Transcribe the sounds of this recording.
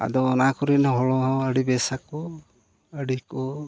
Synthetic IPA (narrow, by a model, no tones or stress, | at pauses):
a̰d̪ɔːnakɔɾinɔɦɔɭɔɦɔəɽibɛsakɔ | əɽikɔ